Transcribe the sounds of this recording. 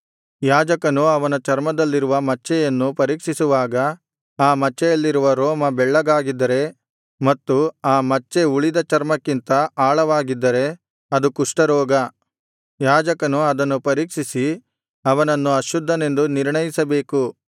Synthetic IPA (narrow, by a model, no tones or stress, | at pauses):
jaːd͡ʒɐkɐnuɐʋɐnɐt͡ʃɐɾmɐd̪ɐlːiɾuʋɐmɐt͡ʃːɛjɐnːupɐɾiːkʂisuʋaːɡɐ | aːmɐt͡ʃːɛjɐlːiɾuʋɐɾoːmɐbɛɭːɐɡaːɡid̪ːɐɾe̞ | mɐt̪ːuaːmɐt͡ʃːe̞uɭid̪ɐt͡ʃɐɾmɐkːint̪ɐaːɭɐʋaːɡid̪ːɐɾe̞ | ɐd̪ukuʂʈɐɾɔːɡɐ | jaːd͡ʒɐkɐnuɐd̪ɐnːupɐɾiːkʂisi | ɐʋɐnɐnːuɐʃud̪ʱːɐne̞nd̪uniɾɳɐjisɐbe̞ːku